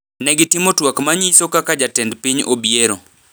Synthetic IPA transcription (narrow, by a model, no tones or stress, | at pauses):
nɛɡɪtimotwakmaɲisokakad͡ʒatɛndpiɲobjeɾo